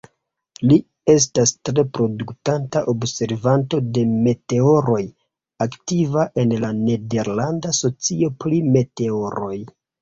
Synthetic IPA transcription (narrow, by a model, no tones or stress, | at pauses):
li | e̞s̬tastɾe̞pɾo̞duktantaʔobse̞ɾvanto̞de̞me̞te̞o̞ɾo̞j | aktivaʔe̞nlane̞de̞ɾlandaso̞t͡sio̞plime̞te̞o̞ɾo̞j